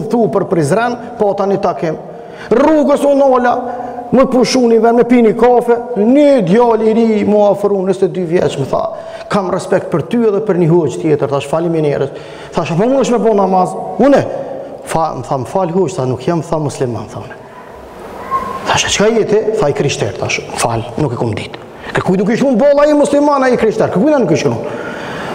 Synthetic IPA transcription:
nθupəɾpɾizɾɛn | pɔt̪anit̪akɪm | ruɡəsunɔlaməpuʃunivɛmɛpinikɔfɛnid̪jɔliɾimɔafɾunəsɛd̪yvjɛ̰t͡ʃməθa̰ | kamrɛspɛk̚t̪̚pəɾt̪yɛðɛpəɾniɦud͡ʒt̪jɛt̪əɾθaʃfaliminɛɾəs | θaʃafɔmunəʃmɛbɔnamazunɛfaməθaməfalɦuʃθanukjamθamuslima̰nθaunɛ | θaʃɛt͡ʃkajɛt̪ɛθaikɾiʃt̪ɛ̰ɾt̪aʃmfa̰lnukɛkumd̪it̪ | kəɾkujnuk̬iʃunbɔlˠaimuslimanaikɾiʃt̪ɛɾkəɾkujnanukiʃun

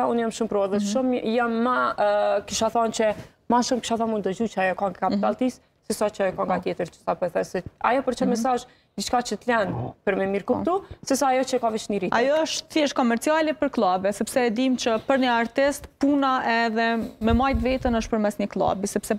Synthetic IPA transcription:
aunjamʃumpɾɔðətʃumjamːakiʃaθɔnt͡ʃə | maʃumkiʃaθɔmund̪d̪əd͡ʑut͡ʃəajɔkɔŋakapit̪alˠt̪is | sɛsat͡ʃəkɔŋɡat̪jɛt̪əɾt͡ʃə̥sapɔθɛsɛa̰jɔpəɾt͡ʃəmɛs̬aʒ | d̪it͡ʃkat͡ʃət̪lɛnpəɾmɛmiɾkupt̪usɛsaːjɔt͡ʃəkavit͡ʃniɾitajɔəʃt̪θjɛʃkɔmɛɾt͡sialɛpəɾklˠabɛsɛpsɛːd̪imt͡ɕəpəɾɲəaɾt̪ɛst̪punaʔɛðɛmɛmajt̪vɛt̪ənəʃt̪̚pəɾmɛsɲəklˠa̰bisɛpsɛ

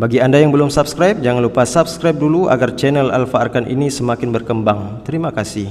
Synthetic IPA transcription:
baɡiandajaŋbəlʊmsap̚skɾajp̚d͡ʒaŋanlupasapskɾajp̚duluʔa̰ɡart͡ʃɛnɛla̰lfaarkanʔḭnisəmakɪnbərkəmbaŋt̪əɾimakasɪh

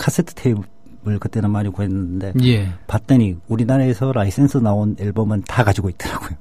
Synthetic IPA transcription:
kʰas͈ʰetʰɯ̥tʰei | bɯɭkɯt͈e̞nɯnmaɾikoɦenːɯnnde̞jepat͈eɲiuɾinaɾaesʰʌɾais͈ensʰɯnaoniɭbʌmɯntakad͡ʑiɡoit̚t͈ʌɾaɡ̥ojo

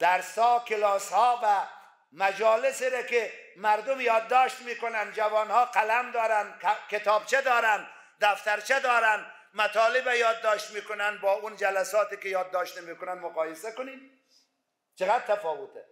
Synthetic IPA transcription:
d̪̥aɾsɔːkɪlɑshɔːva | mad͡ʒɑːlɪsiɾakɪmaɾd̪ʊmjɒːd̪ːɔːʃt̪mikʊnand͡ʒavɑːnhɑːqalamd̪ɒːɾankkɪt̪ɑːb̚t͡ʃed̪ɒːɾan | d̪aft̪aɾt͡ʃed̪ɒːɾan | mat̪ɑːlɪbajɒːd̪ːɒːʃt̪miːkʊnanbɒːund͡ʒalasɒːt̪ikɪjɒːd̪ːɔʃt̪mikʊnanmʊqɑːjɪsakʊnim | t͡ʃɪɣad̪̚t̪ʰːafɔːwʊt̪ɛ

